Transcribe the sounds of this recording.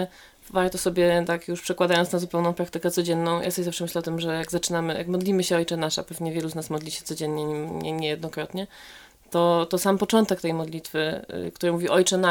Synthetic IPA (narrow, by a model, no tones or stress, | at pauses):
vaɾt̪ɔsɔbʲjɛt̪akjuʂpʂɛkwad̪ajɔnnazupɛwnɔ̃w̃pɾak̚t̪ɘkɛt̪sɔd͡ʑɛnːɔ̃w̃jʔa̰sɔbʲjɛzafʂɛmɘɕlɛɔt̪ɘmʐɛjaɡzat͡ʂɘnamɘjʔa̰kmɔd̪lʲimɘɕɛɔjt͡ʂɛnaʂa̰pɛvɲɛvʲjɛluznasmɔd̪lʲiɕɛt̪sɔd͡ʑɛnːɲɛɲimɲɛ̰ɲɛjɛd̪nɔkɾɔt̪ɲɛ | t̪ɔt̪ɔsampɔt͡ʂɔnt̪ɛk̚t̪ɛjmɔd̪lʲit̪fɘkt̪uɾɘmuvʲiɔjt͡ʂɛna